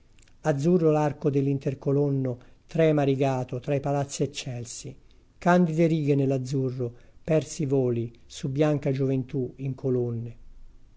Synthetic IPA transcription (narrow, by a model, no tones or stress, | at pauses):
ad̪zːurːolarkod̪elːint̪erkolonːot̪ɾɛmaɾiɡaːt̪ot̪ɾaipalat̪sːiet͡ʃːɛlsi | kand̪id̪eɾiːɡenelːad̪zːurːopɛrsivoːli | subːjaŋkad͡ʒovent̪uiŋkʰolonːe